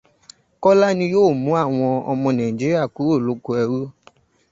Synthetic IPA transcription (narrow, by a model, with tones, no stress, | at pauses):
kɔ˦la˦nĩ˧joː˦˨mũ˨˦a˦˨w̃ɔ̃˧ɔ̰˧mɔ̃˧nã˨ĩ˨d͡ʒi˨˦ɾi˦a˦˨ku˨˦o˦˨lo˨˦ko˧˦ɛ˧ɾu˦